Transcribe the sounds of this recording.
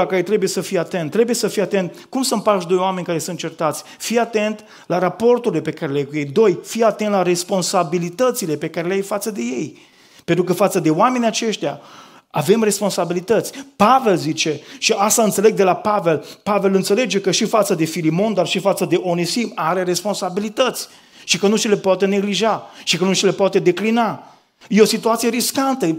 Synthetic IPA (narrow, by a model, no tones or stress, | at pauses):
akajejt̪ɾe̞bujesəfijeat̪ent̪ːɾe̞buje̞səfijat̪e̞nt̪̚kumsɨn̚paʃd̪o̞joame̞nʲkaɾe̞sunt̪̚t͡ʃert̪at̪sʲfijat̪e̞nt̪ | laɾapo̞rt̪uɾilepe̞kaɾelajkuje̞jd̪o̞jfiat̪ent̪laɾe̞spo̞nsabilit̪ət̪sile̞pe̞kaɾeleajfat̪səd̪e̞je̞j | pent̪ɾuk̬əfat̪səd̪e̞oame̞nʲiat͡ʃe̞ʃt̪ea | ave̞mre̞spo̞nsabilit̪ət̪sʲpave̞lzit͡ʃe̞ʃiʔast̪aɨnt̪se̞le̞ɡ̚d̪e̞lapave̞lpave̞lɨnt̪se̞le̞d͡ʒe̞kəʃifat̪səd̪e̞filimo̞nd̪arʃifat̪səd̪e̞ʔo̞nesimaɾe̞ɾe̞spo̞nsabilit̪ət̪sʲ | ʃikənuʃile̞poat̪ene̞ɡliʒaʃikənuʃile̞pat̪e̞d̪e̞klina | jeo̞sit̪uat̪sijeɾiskant̪ə